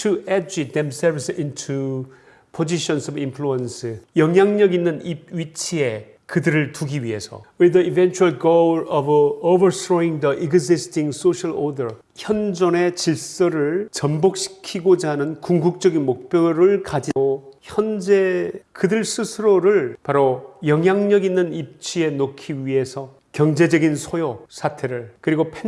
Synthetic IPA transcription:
tʰuʔɛd͡ʑid̪emsɛɾvsintʰu | pʰod͡ʑiɕʰʌnsʌbimpʰluensɯjʌŋɦjaŋɲʌɡinːɯnipɥit͡ɕʰie̞ | kɯdɯɾɯɭtuɡiɥiɦe̞sʰʌ̰wid̪ʌibent͡ɕʰuaɭɡoʌvobʌsɾoiŋd̪ʌʔiɡzistʰiŋsoɕʰaɭodʌ˞ | çjʌnd͡ʑʌne̞t͡ɕiɭs͈ʌɾɯɭt͡ɕʌmbok̚ɕʰi̥kʰiɡod͡ʑaɦnɯnkuŋɡuk̚t͡ɕ͈ʌɡinmok̚pjʌɾɯɭkad͡ʑioçjʌnd͡ʑe̞kɯdɯɭs͈ʰɯsʰɯɾoɾɯɭpaɾojʌŋɦjaŋɲʌɡinːɯnip̚t͡ɕʰie̞nokʰiɥiɦe̞sʰʌ | kjʌŋd͡ʑe̞d͡ʑʌɡinsʰojosʰatʰe̞ɾɯɭkɯɾiɡopʰe

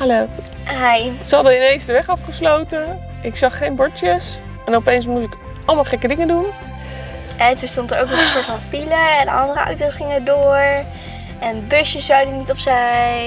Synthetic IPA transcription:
hɛloː | ɦɛjsəɦɑdəɪnejnsdəʋɛχɑfχəslowtə | ʔɪksɑχχejnbɔɹtjəs | ɛnɔpejns̬mut̬ɪk | ɑlˠmɑlˠχɛkədɪŋəndun | ɛtunstɔntərowkʋɔzə̃nsʊːtfɑnfiləɛndə̰ɑ̰ndərəɑ̰wtosχɪŋədʊːɹ | ɛnbøʃjəsːawdənitɔpsɛj

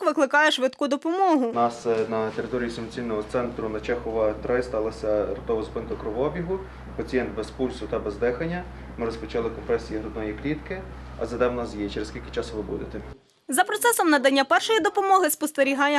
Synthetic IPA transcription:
ʋɪklˠɪkɑjɛʃʋɪd̪kud̪ɔpɔmɔɦʊnɑsnɐt̪eɾɪt̪ɔɾʲijisʊmt͡sʲijnɔɦɔt̪sɛnt̪ɾʊnɐt͡ʃɛxɔʋɐt̪ɾɪst̪ɑlˠɐsʲɐrɔt̪ɔʋɐzpɪnk̪ɐkɾɔʋɔbʲiɦʊ | pɐt͡sʲijɛnt̪̚bɛspulʲsʊt̪ɐbɛzd̪ɛxɐnʲːɐ | mɪɾɔspɔt͡ʃɑlˠɪkɔmpɾɛsʲijiɦɾɔd̪nɔjiklʲit̪kɪɐ̰zɐd̪ɛwnasjɛt͡ʃeɾeskʲilʲkɪt͡ʃɑsʊʋɪbṵd̪et̪ɛ | zɐpɾɔt̪sɛsɔmnɐd̪ɐnʲːapɛrʃɔjid̪ɔpɔmɔɦɪspɔst̪eɾʲiɦɑjɛ

